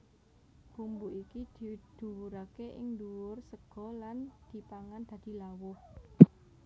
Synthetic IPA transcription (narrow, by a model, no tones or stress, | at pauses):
ɡ̥umbuʔikid̪̥i̤d̪̥ṳwuɾakeʔɪŋnd̪uwʊrsəɡ̥ɔ̤land̪̥i̤paŋand̪̥ä̤d̪̥i̤lawʊh